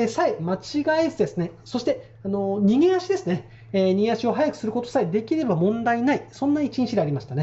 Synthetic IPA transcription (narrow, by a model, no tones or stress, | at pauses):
saimat͡ɕiɡaisɨd̪e̞sɨne̞so̞ɕi̥t̪e̞ | ano̞ɲ̟ʲiɡeaɕid̪e̞sɨne̞ | eɲ̟ieaɕio̞ɦajakɯ̟sɨɾɯ̟kot̪o̞̥said̪e̞kʲiɾe̞bamõ̞nd̪ainaisõ̞nːait͡ɕĩɲt͡ɕid̪eaɾʲimaɕi̥t̪ane̞